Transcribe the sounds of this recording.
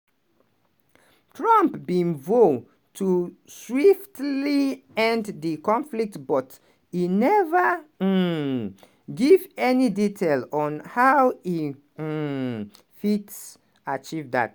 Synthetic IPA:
tʰɹãmpbĩnvo | tʰuswiftliɛ̃ndðikɔ̃nflik̚tbɔt | hinɛvə | ɡivɛniditʰelɔ̃nhawi | fits | at͡ʃivða̰t

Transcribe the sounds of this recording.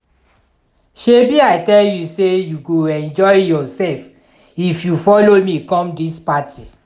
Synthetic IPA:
ʃebiajtɛljusejuɡoɛ̃nd͡ʒɔjjɔsɛlf | ifjufɔlomĩkɔ̃mdispatʰi

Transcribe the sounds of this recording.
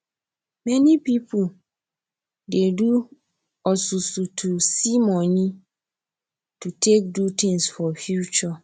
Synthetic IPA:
mɛ̃nĩpipʰu | dedu | ɔsusutʰusimɔ̃nĩ | tʰutʰek̚dutʰĩnsfɔfjut͡ʃɔ

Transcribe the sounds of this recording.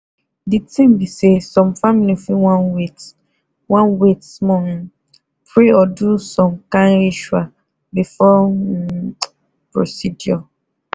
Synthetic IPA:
ditĩm̩bisesɔ̃mfamilifiwãnwit | wãnwetmɔm | pɾeɔdusɔmkãnɾiʃwa | bifɔ | pɾo̰sidjɔ

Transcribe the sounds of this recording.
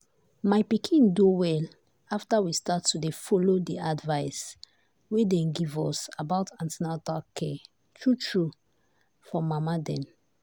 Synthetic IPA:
maɪpikʰĩnduwɛl | aftawistatːudefɔlodiadvaɪs | wedɛ̃nɡivɔsabaʊtãntɛnatakʰɛ | tʰɹutʰɹu | fɔmamadɛ̃n

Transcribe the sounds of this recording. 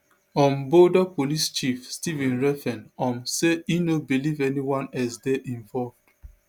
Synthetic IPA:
ɔ̃mbodapolist͡ʃifstivɛ̃nɹɛfɛ̃nɔ̃mseinobilivɛniwãnɛsdɛʔĩɱvɔlvd̥

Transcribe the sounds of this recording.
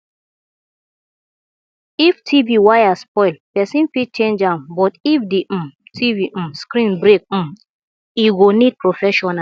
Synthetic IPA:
iftʰiviwajaspɔjlpɛsĩnfit͡ʃẽnd͡ʒãmbɔtifdeʔ̩tʰivĩskɾĩnbɾek̩̚ | iɡonid̚pɹofɛʃɔna

